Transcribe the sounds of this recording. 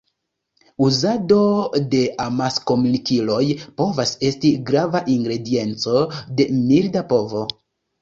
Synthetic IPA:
uzado̞de̞ʔamasko̞munikilo̞jpo̞vase̞stiɡɾavaʔiŋɡɾe̞die̞nt͡so̞de̞mildapo̞vo̞

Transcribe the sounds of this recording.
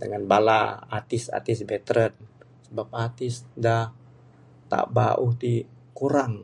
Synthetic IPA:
dəŋanbala̰a̰t̪ɪsa̰t̪ɪsbɛt̪ɾənsəbap̚at̪ɪsdah | t̪a̰baʔuht̪i | kuɾaŋ

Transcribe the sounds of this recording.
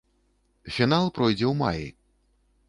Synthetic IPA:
fʲinalˠpɾɔjd͡zʲɛwma̰jḭ

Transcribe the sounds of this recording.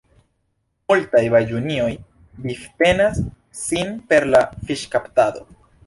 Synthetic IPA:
multajbajd͡ʒunio̞j | bifte̞nasː | inpe̞ɾlafiʃkaptado̞̰

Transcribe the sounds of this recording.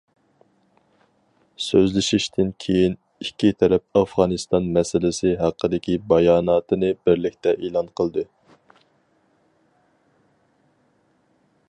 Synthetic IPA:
søzlɪʃiʃt̪ʰɪnkʲʰejin | ikʲːit̪ʰɛɾɛp̚ɑfʁɑːnɨst̪ɑnmɛsɪlɪsɪɦæqːəd̪ɪkʲibɑjɑːnɑːt̪ʰɨnɨbɪɾlɪkʲt̪ɛʔelˠɑnqʰəlˠd̪ɨ

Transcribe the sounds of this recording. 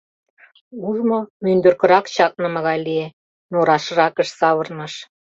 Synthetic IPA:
uʒmomynd̪ø̆rkə̆ɾɑkt͡ɕɑt̪̚nə̆mə̆ɣɑjlie | noɾɑʃɤ̆rɑkə̆ʃsɑβɤ̆rnɑʃ

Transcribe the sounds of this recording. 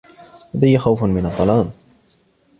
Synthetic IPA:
lad̪ajːaxawfnmɪnɑt̪ˤːɑlɑːm

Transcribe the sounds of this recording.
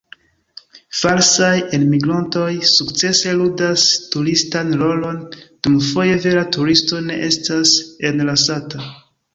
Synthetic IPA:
falsajenmiɡɾonto̞jsukt͡se̞se̞ludastuɾistanlo̞lo̞nd̥umfo̞je̞ve̞ɾatuɾisto̞ne̞̰ʔe̞stase̞nlasata

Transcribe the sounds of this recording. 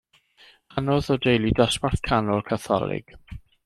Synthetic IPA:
anɔðɔdejlˠidaswarθkʰanɔlˠkʰaθɔ̰lˠɪ̰ɡ̥

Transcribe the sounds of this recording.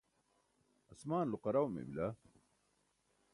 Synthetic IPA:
ɐsmaːnluqɐɾawmḛbila

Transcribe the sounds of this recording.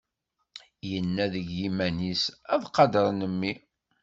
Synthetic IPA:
jənːæðəʝimænisæðqɑd̪əɾˤnəmːi

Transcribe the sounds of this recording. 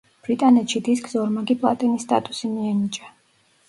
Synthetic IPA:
b̥ɾit̪ʼanɛt̪ʃid̪iskʼzɔɾmaɡipʼlˠa̰t̪ʼɛnist̪ʼa̰t̪ʼusimiɛnit͡ʃʼa

